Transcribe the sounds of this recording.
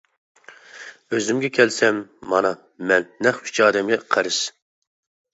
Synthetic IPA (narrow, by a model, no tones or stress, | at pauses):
øzɪmɡʲɛkʲʰɛlsɛmːɑnɑ | mɛnːɛχy̥t͡ʃʰɑːd̪ɛmɡʲɛqʰəɾɨʃ